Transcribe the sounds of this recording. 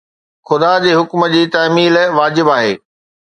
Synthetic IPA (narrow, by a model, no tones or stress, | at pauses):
xʊd̪ad͡ʑeːɦʊkmə̆d͡ʑiːt̪aːmiːlʋaːd͡ʑɪbaːɦḛː